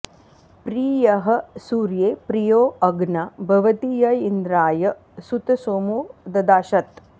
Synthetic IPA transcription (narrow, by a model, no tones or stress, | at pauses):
pɾiːjɐɦɐ̆suːɾjeːpɾijoːɐɡnɐbʱɐʋɐt̪ijɐind̪ɾaːjɐ | sut̪ɐsoːmuːd̪ɐd̪aːʃɐt̪